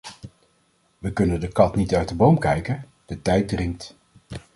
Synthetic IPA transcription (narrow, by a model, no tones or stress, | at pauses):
ʋəkɵnəndəkɑtnitœɥt̚dəbowmkɛjkən | d̥ətɛjt̚drɪŋk̚t